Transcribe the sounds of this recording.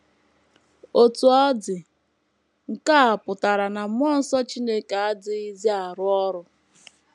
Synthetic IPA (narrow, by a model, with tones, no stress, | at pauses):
o˨tu˨ɔ˦dɪ˨ | ŋ̩˨ka˦a˨pʊ˨ta˨ɾa˨na˨m˦ɔ˦n̩˦sɔ˦t͡ʃi˦ne˦ke˨a˦dɪ˦i˦zi˦a˨ɾʊ˦ɔ˦ɾʊ˦